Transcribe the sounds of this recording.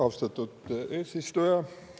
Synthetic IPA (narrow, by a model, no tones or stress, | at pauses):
ɑwst̪ɑt̪ːˑud̪̥eːsist̪ujɑ